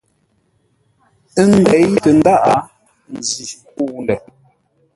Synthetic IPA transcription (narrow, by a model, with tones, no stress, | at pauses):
ə˦n˦˨dɛ˨˦i˦tə˨n̩˦da˦˨ʔa˨˦ | n̩˨zi˨ku˦˨n˨lɛ˨